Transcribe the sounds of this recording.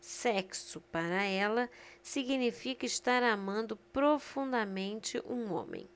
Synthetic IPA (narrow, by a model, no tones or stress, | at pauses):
sɛksʊpaɾɐɛlɐsiɡinifikɐɪʃt̪aɾamɐ̃nd̪ʊpɾofũnd̪ɐmẽnt͡ʃɪʔũõ̰mḛ̃j̃